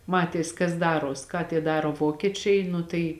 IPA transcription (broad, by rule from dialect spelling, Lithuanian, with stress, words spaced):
ˈmɑːtʲeːs kɐs ˈdɑːroːs kɑː tʲiɛ ˈdɑːroː ˈʋoːkʲiɛt͡ʃʲɛɪ ˈnʊ tɐɪ